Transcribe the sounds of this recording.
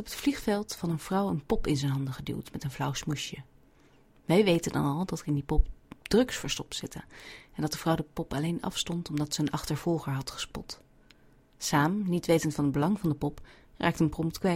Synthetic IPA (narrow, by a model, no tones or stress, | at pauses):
ɔpətfliχfɛlˠtfɑnənv̥rʌwənpɔpɪnzɛjnɦɑndəχədḭlˠtmɛtənvlʌwsmuʃjə | ʋɛjʋejtəndɑ̰nɑlˠdɑtəɪndipɔpd̥rɵksfəɹstɔ̥psɪtəɛndɑt̚dəvrʌwdəpɔpɑlejnɑ̰fstɔntɔmdɑtsəənʔɑχtəɹv̥ɔlˠχəɹɦɑtχə̥spɔ̰t | saːmnitʋejtəntfɑnəd̚bəlɑŋvɑndəpɔp | rʔaːk̚tənprɔmtkʋɛ